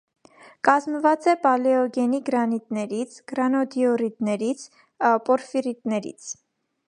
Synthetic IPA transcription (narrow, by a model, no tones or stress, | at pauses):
kɑzməvɑt͡sɛpɑlɛɔɡɛniɡɾɑnit̪nɛɾit͡sʰɡ̥ɾɑnɔd̪iɔɾid̪nɛɾit͡sʰ | pɔɾfiɾit̪nɛɾḭt͡sʰ